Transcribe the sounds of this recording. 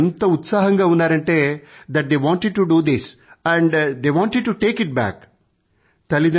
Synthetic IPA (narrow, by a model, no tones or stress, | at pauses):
nt̪ɐut̪saːɦɐ̃ŋɡɐunaːɾɐɳʈed̪æʈ̚d̪eːʋɔ̃ːɳʈeɖ̚ʈuɖuːd̪isæ̃ɳɖd̪eːʋɔ̃ːɳʈeɖ̚ʈuʈeːkiʈ̚bæ̰k | t̪ɐlid̪ɐ